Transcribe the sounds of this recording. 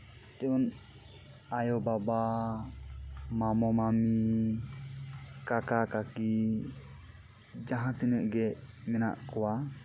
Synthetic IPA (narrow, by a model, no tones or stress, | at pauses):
t̪ɛun | ajɔbaba | mamɔmami | kakakaki | d͡ʒaɦãt̪inəʔɡɛʔmina̰ʔkuwa